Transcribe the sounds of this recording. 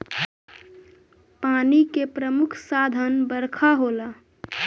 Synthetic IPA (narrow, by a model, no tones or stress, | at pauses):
paːnikepɾəmʊkʰsaːd̪ʱənbəɾkʰaɦoːla